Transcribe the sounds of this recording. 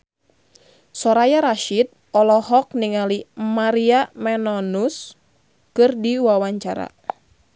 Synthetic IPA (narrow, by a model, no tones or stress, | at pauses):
sɔɾajaɾaʃid̚ | ɔlɔɦɔk̚niŋalimaɾiamɛnɔnus | kɨrdiwawaɲt͡ʃaɾa̰